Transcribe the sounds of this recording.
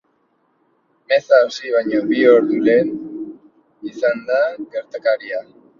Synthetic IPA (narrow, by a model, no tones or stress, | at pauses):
me̞saosiβ̞ajɲoβio̞ɾðule̞n | isand̪aɣe̞ɾt̪akaɾia